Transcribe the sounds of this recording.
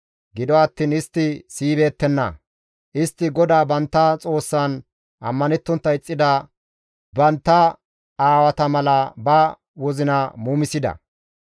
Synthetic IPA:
ɡɪd̪ɔɐt̪ːiːnɪst̪ːɪsiːbe̞ːt̪ːɛnːɐ̰ | ʔɪst̪ːɪɡɔd̪aːbɐnt̪ːɐt͡sʼo̞ːsːan | ʔɐ̰mːɐnɛt̪ːɔnt̪ːɐɪt͡sʼːɪd̪ɐ | bɐnt̪ːɐ | aːwɐt̪ɐmɐlɐbɐ | wɔzɪnɐmuːmɪsɪd̪ɐ̰

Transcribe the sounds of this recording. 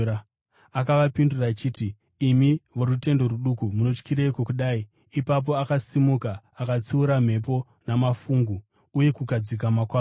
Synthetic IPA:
a | akaʋapindurat͡ʃiːtiː | miʋo̞ɾute̞ndo̞ɾuɗukumuno̞t͡ʃkiɾeikokuɗaːi | ipap̬o̞akasimukaː | kat͡suuɾam̤e̞p̬o̞ | namafuŋɡu | uje̞kukad͡zik̬amakwa

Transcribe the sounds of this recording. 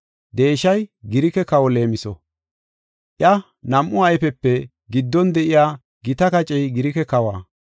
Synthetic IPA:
d̪e̞ːʃɐjɡɪɾɪkɛkɐwɔle̞ːmɪsɔ | ʔjɐ | nɐmʔʊɐjfɛpːɛ | ɡɪd̪ːɔnd̪ɛʔɪjaː | ɡɪt̪ɐkɐt͡ʃʼɛjɡɪɾɪkɛkɐwa̰ː

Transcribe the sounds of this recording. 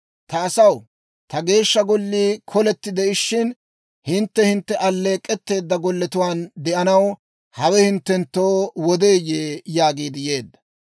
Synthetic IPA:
t̪ɐːsɐw | t̪ɐɡe̞ːʃːɐɡɔlːiːkʰɔlɛt̪ːɪd̪ɛɪʃːɪn | hɪnt̪ːɛhɪnt̪ːɛʔɐlːe̞ːkʼːɛt̪ːe̞ːd̪ːɐɡɔlːɛt̪ʊwaːnd̪ɛʔɐnɐw | hɐwɛhɪnt̪ːɛnt̪ːo̞ːwɔd̪eːjeːjaːɡiːd̪ɪje̞ːd̪ːɐ̥

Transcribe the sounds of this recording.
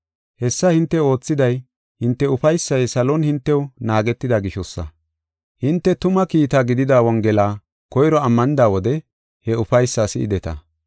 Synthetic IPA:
hɛsːɐhɪnt̪ːɛo̞ːt͡sːɪd̪ɐj | hɪnt̪ːɛʊfɐjsːɐjsɐlɔnhɪnt̪ːɛwnaːɡɛt̪ːɪd̪aɡɪʃɔsːɐ̰ | hɪnt̪ːɛt̪ʊmɐkiːt̪aːɡɪd̪ɪd̪aːwɔŋɡɛlaː | kɔjɾɔɐmːɐnɪd̪aːwɔd̪ɛ | hɛʊfɐjsːaːsɪ̰ʔɪd̪ɛt̪ɐ̰

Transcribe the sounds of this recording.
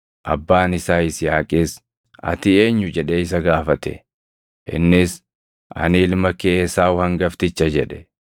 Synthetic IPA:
ʔɐ̰bːaːnɪsaːɪsjaːkʼɪːs | ɐ̰t̪ɪe̞ːɲːʊd͡ʒɛᶑeːɪs̬ɐɡaːfɐt̪ɛ̰ | ʔɪ̰nːɪs | ʔɐ̰nɪɪlmɐkeːsaːwʊhɐŋɡɐft̪ɪt͡ʃːɐd͡ʒɛᶑɛ̥

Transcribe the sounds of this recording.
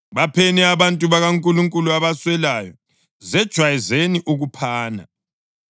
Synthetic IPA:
βapʰɛnɛaβantʼuβaɣaŋkʼuluŋkʼuluaβaswɛlajɔ̰ | zɛd̥ʒ̥ʱwajɛzeniʔuɣupʰaːna̰

